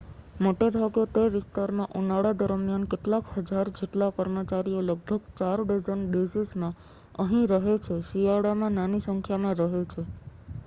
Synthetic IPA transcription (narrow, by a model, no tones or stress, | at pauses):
moʈeɾʱaɡjot̪eʋɪst̪aɾmãʔunaɽad̪əɾmijankeʈlakhəd͡ʒaɾd͡ʒeʈlakəɾmət͡ʃaɾioləɡ̚bʱəɡt͡ʃaɾɖəzənɖesismã | əɦĩɾəɦet͡ʃʰeʃiʋaɽamãnanisəŋkʰjamãɾəɦet͡ʃʰe